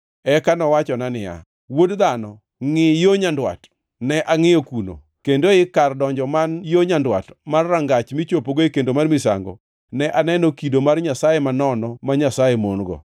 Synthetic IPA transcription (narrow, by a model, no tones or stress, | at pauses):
ɛkanɔwat͡ʃɔnanɪja̰ | wodd̪anɔ | ŋɪjoɲandwa̰t | nɛʔaŋɪjokuno̰ | kendoɪkardɔɲd͡ʒɔmanjoɲandwa̰tmarːaŋɡat͡ʃmɪt͡ʃopoɡoekendomarmɪsa̰ŋɡɔ̰ | nɛʔanɛnokidomarɲasajemanɔnɔmaɲasajemonɡɔ̰